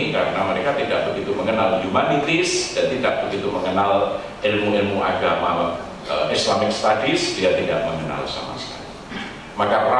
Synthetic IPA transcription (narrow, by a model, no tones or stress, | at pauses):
ika̰ɾənaməɾekat̪idaʔ̚bəɡit̪uməŋənald͡ʒumanit̪ɪsd̥ant̪idaʔ̚b̥əɡit̪uməŋənal | ʔɪlmuɪlmuʔa̰ɡama̰ | əʔɪslamɪk̚st̪adɪsdiat̪idaʔ̚məŋəna̰lsa̰ma̰sə̥ka̰ɾi | makara